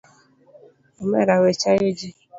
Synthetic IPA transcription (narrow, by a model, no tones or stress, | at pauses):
omeɾawet͡ʃajed͡ʒi